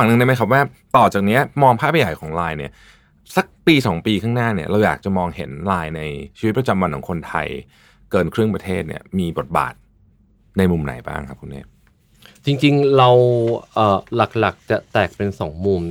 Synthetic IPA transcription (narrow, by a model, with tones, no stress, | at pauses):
a˨˩ŋnɯ˧ŋna˥˩ma˦˥jkʰa˥p̬̚waː˥˩ | t̪ɔː˨˩t͡ɕaː˨˩k̚ni˦˥ɐmɔː˧ŋpʰaː˥˩pʰa˧ja˨˩jkʰɔː˩˦ŋlaː˧jnḭ˥˩ɐ | sa˨˩k̚piː˧sɔː˩˦ŋpiː˧kʰaː˥˩ŋnaː˥˩ni˥˩ɐɾa˧wjaː˨˩k̚t͡ɕa˨˩mɔː˧ŋɦe˩˦nlaː˧jna˧jt͡ɕʰiː˧wi˦t̪̚pɾa˧t͡ɕa˧mwa˧nkʰɔː˩˦ŋkʰo˧nt̪ʰa̰˧j | kɤː˧nkʰɾɯ˥˩əŋpɾa˧t̪ʰeː˥˩t̪̚nḭ˥˩ɐmiː˧bo˨˩t̪̚ba̰ː˨˩t̪̚ | na˧jmu˧mna̰˩˦jba̰ː˥˩ŋkʰa˦˥p̚kʰu˧nːʔḛ˦˥ | t͡ɕi˧ŋt͡ɕi˧ŋɾa˧wʔəː˨˩la˨˩k̚la˨˩k̚t͡ɕa˨˩t̪ɛː˨˩k̚pe˧nsɔː˩˦ŋmuː˧m